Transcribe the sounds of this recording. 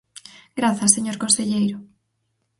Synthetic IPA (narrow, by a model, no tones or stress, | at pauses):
ɡɾaθɐseɲoɾkõnseʎejɾʊ